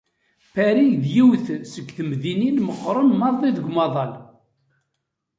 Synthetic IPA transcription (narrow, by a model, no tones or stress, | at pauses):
pæɾijðjiwθsəkːθəmðininməqːɾˤənmɑðˤðˤiðəɡʷmɑðˤɑl